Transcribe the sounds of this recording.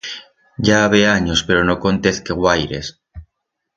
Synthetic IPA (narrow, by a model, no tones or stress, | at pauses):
ɟ͡ʝaβeaɲospeɾonoko̞nt̪eθkeɣwajɾḛs